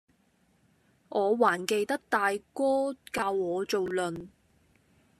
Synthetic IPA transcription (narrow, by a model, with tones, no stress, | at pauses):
ʔɔː˨˧waː˨˩nke˨˧jt̪ɐ˥k̚t̪aː˨jkɔː˥kaː˧wɔː˨˧t͡so˨wlɵ˨n